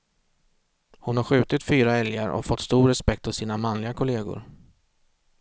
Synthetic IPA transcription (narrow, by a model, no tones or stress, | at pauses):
hʊnhaɾɧʉ̟ːt̪ɪt̪fyːɾaɛljaɾɔ̰fɔt̪ːst̪uːɾɛspɛk̚t̪̚pɔsiːnamanlɪɡakʰʊleːɡʊ̰ɾ